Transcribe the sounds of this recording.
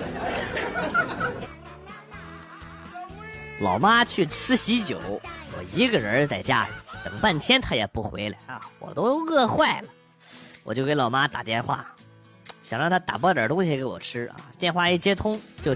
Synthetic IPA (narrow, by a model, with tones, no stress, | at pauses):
lɑ˨˩ʊma˥t͡ɕʰy˥˩ʈ͡ʂʰɻ̩˥ɕi˧˥t͡ɕjo˨˩˦ʊwɔ̰˨˩i˧˥ɡə˧ə˧˥t͡sa˥˩ɪt͡ɕja˥li˨˩˦t̪ɤ˨˩ŋpa˥˩nt̪ʰjɛ˥nt̪ʰa˥jɛ˨˩pu˥˩xwḛ˧˥ɪla˨˧˥ɪɐ˧wɔ̰˨˩t̪o˥ʊjo˧ʊɤ˥˧xwa˥˩ɪlə˩ | wɔ˨˩t͡ɕjo˥˧ʊke˥n˥lɑ˨˩ʊma˥t̪a̰˨˩t̪jɛ˥˧nxwa̰˥˩ | ɕjɑ̰˨˩ŋɻɑ˥˩ŋt̪ʰa˥t̪a̰˨˩pɔ˥˩jə˞˨˩t̪ʊ˥ŋɕi˧ke˧˥ɪwɔ̰˨˩ʈ͡ʂʰɻ̩˥ɐ̰˧˩t̪jɛ˥˧nxwa˥˧i˥˩t͡ɕjɛ˥t̪ʰʊ˥ŋt͡ɕjo˥˧ʊ